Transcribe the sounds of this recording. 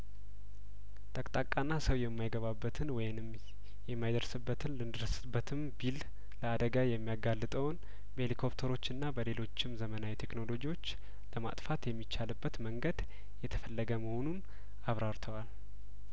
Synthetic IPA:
t̪ʼəkʼt̪ʼakʼanːasəwjɛmːajɡəβabːət̪ʰɨnwɔjɪnɨm | jɛmːajd̪əɾsɨbːət̪ʰɨnlɨnd̪ɨɾəsɨbːət̪ʰɨmbil | ləad̪əɡajɛmːijaɡalːɨt̪ʼəwn | bəelikʰo̞pt̪ʰəɾo̞t͡ʃːɨnːabəle̞lo̞t͡ʃːɪmzəmənawit̪ʰe̞kno̞lo̞d͡ʒiwo̞t͡ʃː | ləma̰t̪ʼfat̪jɛmːit͡ʃːalɨbːət̪məŋɡəd̪ | jɛt̪ʰə̥fəlːəɡəməho̞nun | aβɾaɾt̪ʰəwal

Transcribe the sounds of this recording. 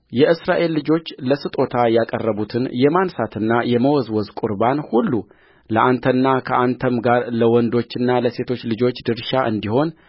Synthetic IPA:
jɛʔɨsɾaʔe̞lːɨd͡ʒo̞t͡ʃːləsɨt̪ʼo̞t̪ʰajakʼərːəβut̪ʰɨnjɛmansat̪ʰɨnːajɛməwɔzwɔzkʷʼuɾbanhulːu | ləʔant̪ʰənːakʰəʔant̪ʰəmɡaɾləwɔnd̪o̞t͡ʃːɨnːaləse̞t̪ʰo̞t͡ʃːlɨd͡ʒo̞t͡ʃːd̪ɨɾʃaʔɨnd̪iho̞n

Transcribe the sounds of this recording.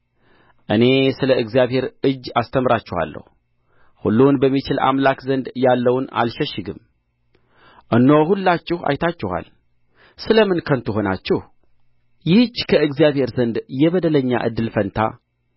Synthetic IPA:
ʔɨne̞sɨləɨɡzijaβhe̞ɾɨd͡ʒːast̪ʰəmɾat͡ʃːɪha̰lːə̰h | hṵlːunbəmːit͡ʃɪla̰mlakzənd̪jalːəwuna̰lʃɛʃːɪɡɨm | ʔɨnːohulːat͡ʃːɪha̰jt̪ʰat͡ʃːɪha̰l | sɨləmɨnkʰənt̪ʰuɦo̞na̰t͡ʃːɪh | jɪhd͡ʒkʰəɨɡzijaβhe̞ɾzənd̪jɛβəd̪ələɲːa̰ʔɨ̰d̪ːɨlfənt̪ʰa̰

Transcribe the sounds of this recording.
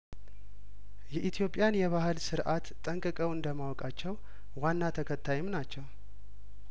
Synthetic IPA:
jɛʔit̪ʰjo̞pʼːjanjɛβahɨlsɨɾʔat̪ʼːəŋkʼɨkʼəwɨnd̪əmawɔkʼat͡ʃːɛw | wanːat̪ʰəkʰət̪ʰːajɪmnat͡ʃːɛw

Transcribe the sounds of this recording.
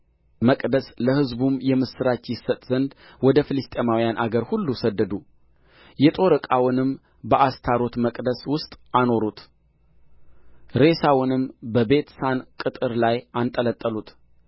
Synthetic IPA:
məkʼd̪əsləhɨzbumjɛmɨsɨɾat͡ʃjɪsːət̪ʼzənd̪ | wɔd̪əfɨlɨst̪ʼemawijanʔaɡəɾhulːusəd̪ːəd̪u | jɛt̪ʼo̞ɾɨkʼawʊnɨm | bəʔast̪ʰaɾo̞t̪məkʼd̪əswʊst̪ʼano̞ɾut̪ʰ | ɾe̞sawʊnɨmbəbe̞t̪sankʼɨt̪ʼɨɾlajant̪ʼələt̪ʼːəlut̪

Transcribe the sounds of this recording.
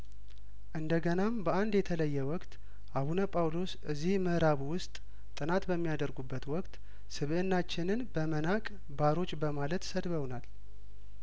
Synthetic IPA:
ʔɨnd̪əɡənambəʔand̪jɛt̪ʰələjːɛwɔkʼt̪ | ʔaβunəpʼawlo̞sʔɨzːihməɾaβwʊst̪ʼ | t̪ʼɨnat̪bəmːijad̪əɾɡubːət̪wɔkʼt̪ | sɨβʔɨnːat͡ʃːɪnɨnbəmənakʼ | baɾo̞t͡ʃːbəmalət̪səd̪βəwnal

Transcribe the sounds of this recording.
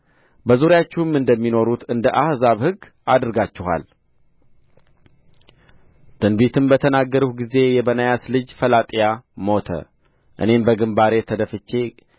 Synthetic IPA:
bəzuɾjat͡ʃːɛɨmɨnd̪əmːino̞ɾut̪ʰɨnd̪əʔahzaβhɨɡː | ad̪ɨɾɡat͡ʃːɪɦa̰l | t̪ɨnbit̪ʰɨmbət̪ʰənaɡːəɾuɡize̞jɛbənajaslɨd͡ʒfəlat̪ʼijamo̞t̪ʰə̰ | ʔɨ̰ne̞mbəɡɨmbaɾe̞t̪ʰəd̪əfɨt͡ʃːe̞

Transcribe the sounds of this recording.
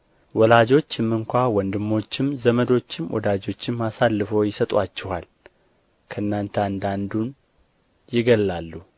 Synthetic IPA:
wɔlad͡ʒo̞t͡ʃːɪmːɨŋkʷawɔnd̪ɨmːo̞t͡ʃːɪmzəməd̪o̞t͡ʃːɪmwʔɔ̰d̪ad͡ʒo̞t͡ʃːɪmːasalːɨfojɪsət̪ʼwat͡ʃːɛhal | kʰəɨnːant̪ʰəand̪and̪un | jɪɡəlːalːu

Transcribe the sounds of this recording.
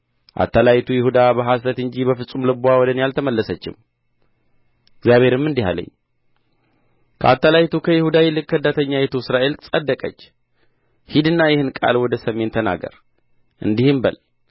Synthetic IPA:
ʔa̰t̪ʰːalajt̪ʰujɪhud̪abəɦasət̪ɨɲd͡ʒibəfɨsʼumlɨbuawɔd̪ənjalt̪ʰəməlːəsət͡ʃːɪ̰m | ɪɡzjaβhe̞ɾɨmːɨnd̪iɦa̰lə̰ɲː | kʰəat̪ːalajt̪ʰukʰəjɪhud̪ajɛlɨkʼːəhɨd̪ːat̪ʰəɲːajɛt̪ʰusɨɾaʔe̞lʼsʼəd̪ːəkʼə̰t͡ʃː | hid̪ɨnːajɪhɨnkʼa̰lwɔd̪əsəmːe̞nt̪ʰːəna̰ɡə̰ɾ | ʔɨnd̪ihɨmbə̰l

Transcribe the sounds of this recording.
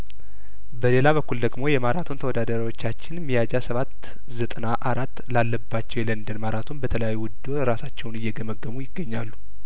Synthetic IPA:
bəle̞laβəkːuld̪əɡmo̞jɛmaɾat̪ʰunt̪ʰəwd̪ad̪əɾwo̞t͡ʃːat͡ʃːɪnmijad͡ʒasəβat̪ː | zət̪ʼənaʔaɾat̪ːlalːəbːat͡ʃːɛwjɛlənd̪ənmaɾat̪ʰunbət̪ʰələjajːuwʊd̪oɾasat͡ʃːɛwnɨjːɛɡəməɡːəmujɪɡːəɲːalːu

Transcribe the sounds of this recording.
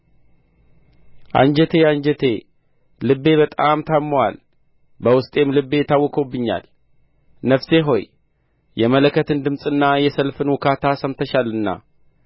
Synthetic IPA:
ʔa̰ɲd͡ʒɛt̪ʰe̞aɲd͡ʒɛt̪ʰe̞ | lɨbːe̞βət̪ʼamt̪ʰamːwal | bəwʊst̪ʼe̞mlɨbːe̞jɪt̪ʰːawːɔkʰobːɨɲːa̰l | nəfse̞ɦo̞j | jɛmələkːət̪ʰɨnd̪ɨmsʼɨnːajɛsəlfɨnwʊkʰat̪ʰasəmt̪ʰəʃalɨnːa̰

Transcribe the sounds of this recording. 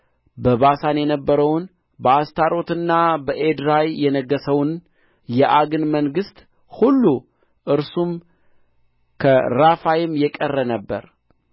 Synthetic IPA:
bəβasanjɛnəbːəɾəwn | bəast̪ʰaɾo̞t̪ɨnːabəʔed̪ɾajjɛnəɡːəsəwn | jɛʔaɡɨnməŋɡɨst̪ | hulːu | ʔɨɾsum | kʰəɾafajɪmjɛkʼərːənəbːə̰ɾ

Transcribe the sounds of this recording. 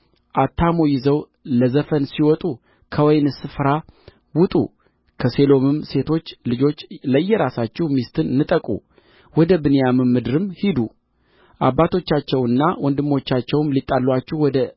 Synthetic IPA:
ʔat̪ʰːamojɪzəw | ləzəfənsiwɔt̪ʼu | kʰəwɔjnɨsɨfɾa | wʊt̪ʼṵ | kʰəse̞lo̞mɨmse̞t̪ʰo̞t͡ʃːlɨd͡ʒo̞t͡ʃːləjːɛɾasat͡ʃːɛhmist̪ʰɨnnɨt̪ʼəkʼṵ | wɔd̪əbɨnejamɨmːɨd̪ɨɾɨmhid̪u | ʔa̰bːat̪ʰo̞t͡ʃːat͡ʃːɛwɨnːawʔɔnd̪ɨmːo̞t͡ʃːat͡ʃːɛwɨmlit̪ʼːalːwat͡ʃːɛhwɔd̪ə

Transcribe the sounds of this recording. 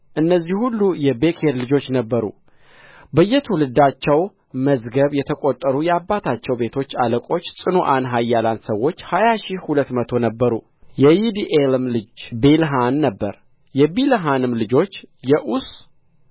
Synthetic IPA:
ʔɨnːəzːihhulːujɛbekʰeɾlɨd͡ʒo̞t͡ʃːnəbːəɾṵ | bəjːɛt̪ʰwulɨd̪at͡ʃːɛw | məzɡəβjɛt̪ʰəkʼo̞t̪ʼːəɾujɛabːat̪ʰat͡ʃːɛwbe̞t̪ʰo̞t͡ʃːaləkʼo̞t͡ʃːsʼɨnoʔanɦajːalansəwːo̞t͡ʃːhajaʃihulət̪ːmət̪ʰo̞nəbːəɾu | jɛjid̪iʔelɨmlɨd͡ʒbelɦanːəbːəɾ | jɛbilɦanɨmlɨd͡ʒo̞t͡ʃːjɛʔus

